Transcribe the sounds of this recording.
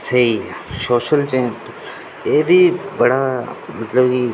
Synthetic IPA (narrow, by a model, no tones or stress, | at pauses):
sɐisoːʃəlt͡ʃẽːd͡ʒt̪o | eːbʱibɐɽamɐt̪ləbki